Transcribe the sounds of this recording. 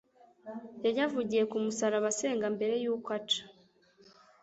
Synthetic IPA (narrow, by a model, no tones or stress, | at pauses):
jajavuɟije̞kumusaɾaβase̞ːŋɡambe̞ɾe̞juːkwat͡ʃḁ